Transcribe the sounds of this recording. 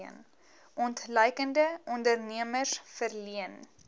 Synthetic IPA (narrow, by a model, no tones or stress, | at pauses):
ən | ʔɔntləjkəndəɔndərniəmərsfərliən